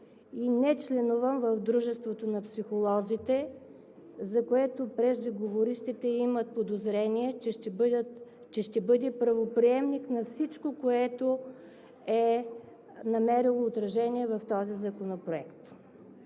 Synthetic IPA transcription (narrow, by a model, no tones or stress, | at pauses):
inɛt͡ʃlɛnuvəmvəfd̪ɾuʒɛst̪vot̪onɐpsixolˠɔzit̪ɛ | zɐkoɛt̪opɾɛʒd̪iɡovoɾiʃt̪it̪ɛimət̪̚pod̪ozɾɛniɛt͡ʃɛʃɛbd̪ət̪ | t͡ʃɛʃt̪ɛbɤd̪ɛpɾɐvopɾiɛmniknɐfsit͡ʃkokoɛt̪o | ɛ | nɐmɛɾilˠoːt̪ɾɐʒɛniɛvɐft̪ɔzizɐkonopɾoɛkt̪